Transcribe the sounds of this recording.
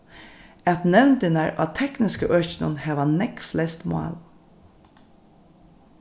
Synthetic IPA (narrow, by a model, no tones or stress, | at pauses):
ɛt̪nɛwnt̪ɪnaɹɑ̰t̪ʰɛknɪskəʔœt͡ʃnʊ̰nhɛːʋanɛkflɛst̪mʊɑ̰ːl